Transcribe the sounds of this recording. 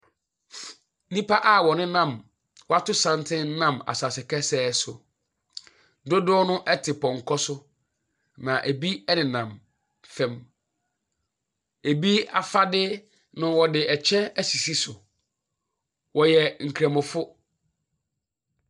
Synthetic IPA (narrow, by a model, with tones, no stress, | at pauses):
nĩ˦pa˦ʔa˦˨wɔ˨nɪ̃˦nã˦˨m | wɔ˦a˦˨tʊ˦sã˦ntʰɪ̃˦n˦nã˦ma̰˨sa˨sɪ˨kʰɛ˦sɛː˦sʊ̰˨ | dʊ˦dʊ˦ɔ˦nʊ̃˦ʔɛ˦tʰɪ˨pʰɔ̃˨ŋ˨kʰɔ˦sʊ˦ | nã˨ʔæ˨bi˦ɛ˦nɪ̃˨nã˨m | fɛ̃˦m | e˨bi˦a˨fa˦dɪ˦ | nʊ̃˨wɔ˨dɪ˨ɛ˨t͡ɕʰɛ˦æ˦si˨si˦sʊ˨ | wɔ˨jɛ˨ŋ̩˨kʰɾæ̃˨mʊ̃˨fʊ˦